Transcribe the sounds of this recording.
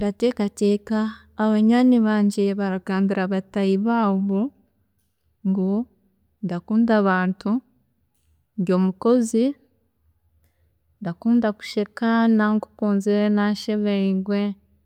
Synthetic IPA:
ɾate̞ːkateːkaː | βaɲaːniβaːɲɟe̞βaɾaɡaːmbiɾaβatajiβaːβo | ŋɡo | ndakuːndaβaːntu | nɟo̞ːmuko̞zi | ndakuːndaku̥ʃekanaŋku̥kuːnziɾenaʃeβeiɡwe

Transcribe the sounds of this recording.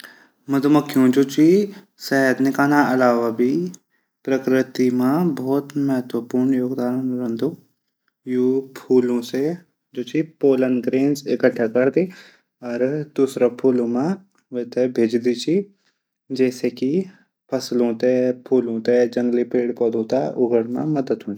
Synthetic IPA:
mɐd̪ʱməkʰːjõd͡ʒoːt͡ʃi | sɛɦəd̪nɪkaːnãɐlaːʋabʱi | pɾəkɾɪt̪imãbʱɔːt̪mɐɦət̪wəpuːɾɳjoːɡd̪aːɾnɾə̃nd̪u | jupʰuːlõse | d͡ʒoːt͡ʃʰipoːlənɡɾeːnsɪkəʈʰːakɐɾd̪i | ɔːɾd̪̥uːsɾapʰuːlõmã | ʋet̪ebʱeːd͡ʒd̪it͡ʃʰi | d͡ʒɛːseki | pʰɐslɦõːt̪epʰuːlõt̪ed͡ʒɐ̃ŋɡlipeːɽpɔːd̪ʱoːt̪aʔʊɡəɽmã̰mɐd̪əd̪ɦõi

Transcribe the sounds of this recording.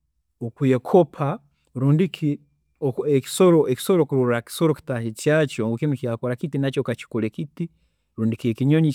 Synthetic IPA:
okujekʰopʰa | ɾuːndiki | oeki̥soɾoeki̥soɾokuɾuɾɾaki̥soɾoki̥tahit͡ʃjat͡ʃoŋɡukimikijakoɾakitinat͡ʃokat͡ʃi̥kolekiti | ɾuːndikiekiɲoɲi

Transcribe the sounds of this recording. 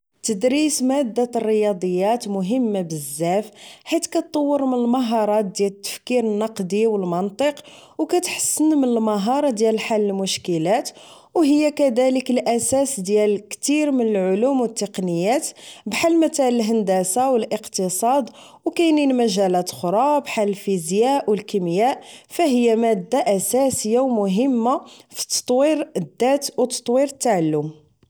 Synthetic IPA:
t̪əd̪ɾismæd̪ːarːəjɑd̪ˤəjːæt̪mʊɦəmːabəzːæfħit̪kæt̪ˤːɑwːəɾmənəlmɑɦɑɾˤɑt̪̚d̪jælt̪ːə̥fkiɾənːɑqd̪iwəlmɑnt̪ˤəqwkæt̪ħə̥sːənmənəlmɑɦɑɾˤɑd̪jælħalːəlmʊʃkəlæt̪ | wɦəjːækæd̪æləkəlʔæsæsd̪jælkt̪iɾmənəlʕʊlumwət̪ːəqnəjæt̪bħalmæt̪æləlɦənd̪æsawəlʔəqt̪əsˤɑd̪ | wkæjninmæʒælæt̪xoɾˤɑbħaləlfizjaʔwəlkimjæʔfæɦəjːamæd̪ːaʔæsæsəjːawmʊɦəmːafi̥t̪ːɑ̥t̪ˤwiɾəd̪ːæt̪wt̪ɑ̥t̪ˤwiɾət̪ːaʕalːʊm

